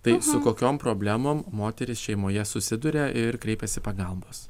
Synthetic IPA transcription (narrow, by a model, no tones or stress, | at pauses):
t̪ɐɪsʊkoːkʲoːmpɾoːbʲlʲæmoːmmoːt̪ʲɛɾʲɪsʃʲɛɪmoːjɛsʊsʲɪd̪ʊɾʲeʔɪɾkɾʲɛɪpʲɛsʲɪpɐɡɐlˠboːs